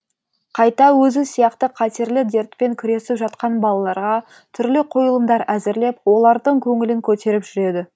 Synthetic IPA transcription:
qʰɑjt̪ɑwɵzɪsijɑqt̪əqʰɑt̪e̞ɾlɪd̪e̞ɾt̪pe̞ŋkʲʰɪɾe̞sɪpʒɑt̪qɑnbɑlˠɑlˠɑɾʁɑ | t̪ʰʏɾlɪqʰojəlˠəmd̪ɑɾæzɪɾle̞pwo̞lˠɑɾd̪əɴkʲʰɵŋɪlɪŋkʲʰɵt̪e̞ɾɪpʒʏɾe̞d̪ɪ

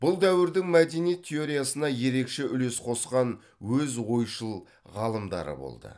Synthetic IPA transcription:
b̥ʊlˠd̪æwɪɾd̪ɪŋmæd̪e̞nijet̪ʲʰːe̞o̞ɾijasənɑje̞ɾe̞kʃe̞ʔʏle̞sqʰo̞sqɑn | wɵzwo̞jʃəlˠ | ʁɑlˠəmd̪ɑ̰ɾə̰bo̰lˠd̪ə̰

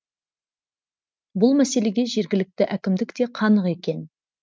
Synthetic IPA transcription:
bʊlˠmæse̞le̞ɡʲe̞ʒe̞ɾɡʲɪlɪk̚t̪ɪʔækʲɪmd̪ɪkt̪e̞qʰɑnəqe̞kʲe̞n

